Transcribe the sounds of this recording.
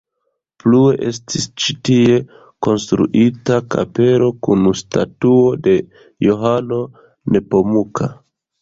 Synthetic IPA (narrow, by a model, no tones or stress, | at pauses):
plue̞ʔe̞stʰist͡ʃitie̞ | ko̞nstɾṵʔitaka̰pe̞ɾo̞kunusta̰tuo̞de̞ | joɦano̞ | ne̞po̞mukʰa